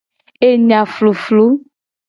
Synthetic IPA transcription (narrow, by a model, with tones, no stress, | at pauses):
e˦ɲã˨flo˨flo˦